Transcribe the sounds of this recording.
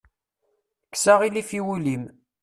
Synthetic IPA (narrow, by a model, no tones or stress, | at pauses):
kːsaʁilifiwulim